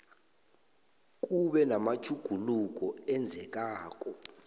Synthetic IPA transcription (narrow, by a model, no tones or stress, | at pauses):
k̬ʼuɓɛnamat͡ʃʰuɡ̥ʱuluk̬ɔɛnd͡zʱɛk̬ʼaːk̬ʼɔ